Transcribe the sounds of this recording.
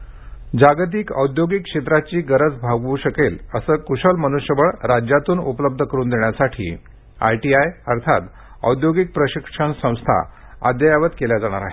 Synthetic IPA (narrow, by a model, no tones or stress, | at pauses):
d͡ʑaɡt̪̬iːkə̰wd̪joɡikɕet̪ɾat͡ɕiːɡəɾət͡sbʱaɡʋuːɕəkeləsəːkuɕəlmənuɕjəʋəɭɾad͡ʑjat̪uːnupələb̚d̪ʱəkəɾuːnd̪eɳjasaʈʰḭː | a̰jʈiajəɾt̪ʰa̰t̪ | ə̰wd̪joɡik̚pɾəɕikʂəɳsə̃w̃st̪ʰa̰ | a̰d̪jəjaʋət̪keljad͡zaɽ̃aɾa̰ɦe